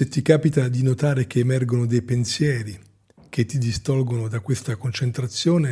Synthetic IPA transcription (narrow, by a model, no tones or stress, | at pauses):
set̪ːikaːpit̪ad̪inot̪aːɾek̟eːmɛrɡonod̪ejpensjɛːɾi | k̟ʰet̪ːid̪ist̪ɔlɡonod̪akwest̪akont͡ʃent̪ɾat̪sːjoːne